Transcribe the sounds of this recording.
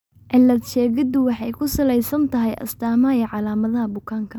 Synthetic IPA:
ʔɛlːɐd̪ʃɛːɣɪd̪ʊwɑħɑjkʰʊsɐlɛjsɐnt̪ʰɐɦɛjʔɐ̰st̪ʰaːmɐjɐʕɑlaːmɐðɐɦɐbʊkʰaːŋkʰɐ

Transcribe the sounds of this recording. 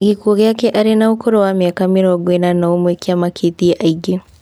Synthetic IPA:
ɡikuɔɣjakɛʔaɾenaokʰoɾowameakameɾɔɡwenanaomwekiamakʰetiaʔaiɡe

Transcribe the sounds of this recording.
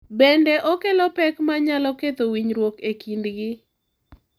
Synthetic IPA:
bendɛʔokelɔpɛkmaɲalɔket̪owiɲɾwokekindɡɪ

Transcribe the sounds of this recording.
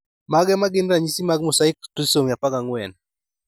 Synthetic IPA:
maɡɛmaɡɪnɾaɲisimaɡ̚mosaɪktisoŋjapakaŋwɛn

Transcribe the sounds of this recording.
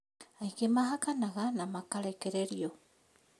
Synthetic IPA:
ajkemaɦakanaɣanamakaɾekeɾeɾio

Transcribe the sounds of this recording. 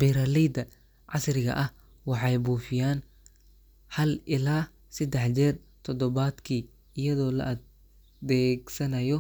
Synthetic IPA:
b̥iɾaːlɛjd̪ɐ | ʕɑsrɪɣɐ̰ʔɐh | wɑħɑjbuːfɪjaːn | hɐlʔɪlaː | sɛd̪ɛħt͡ʃɛr | t̪ʰɔd̪ɔβaːd̪kʰiː | ɪjɐðɔːlɐ̰ʔɐ | d̪ɛːɡsɐnɐjɔ

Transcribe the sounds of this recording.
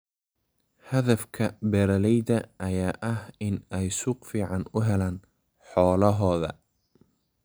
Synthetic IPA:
hɐðɐfkʰɐbɛːɾɐlɛjdɐʔːjaːʔɐhɪnɛjsuːqfiːʕɑnʊɦɛlaːn | ħɔːlɐɦɔːðɐ̰

